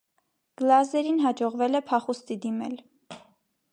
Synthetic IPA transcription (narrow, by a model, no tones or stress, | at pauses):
ɡ̥lɑzɛɾinɦɑd͡ʒɔʁvɛlɛpʰɑχust̪id̪imɛ̰l